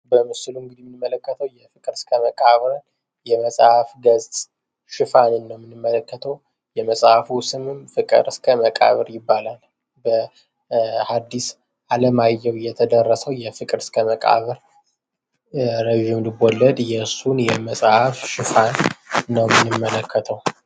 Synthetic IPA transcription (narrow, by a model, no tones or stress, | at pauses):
bəmɨsɨluɨŋɡɨd̪imːɨnɨmːələkːət̪ʰəwjɛfɨkʼɨɾskʰəməkʼaβɾɨn | jɛməsʼhafɡəzt̪ʼ | ʃɪfanɨnːəwmːɨnɨmːələkːət̪ʰəw | jɛməsʼhafusɨmɨmfɨkʼɨ̰ɾskʰəməkʼa̰βɨɾjɪbːalal | bə | had̪ːis | ʔaləmajːɛwjɛt̪ʰəd̪ərːəsəwjɛfɨkʼɨɾskʰəməkʼa̰βɨɾ | ɾeʒimlɨbɔlːəd̪jɛsunjɛməsʼhafʃɪfanːəwmɨnːɨmːələkʰːət̪ʰəw